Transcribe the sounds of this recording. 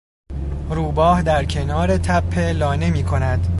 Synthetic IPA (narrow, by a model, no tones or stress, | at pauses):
ɾuːbɒːhd̪æɾcʰe̞nɒːɾe̞t̪ʰæpʰːe̞lɒːnemiːkʰo̞næd̪̥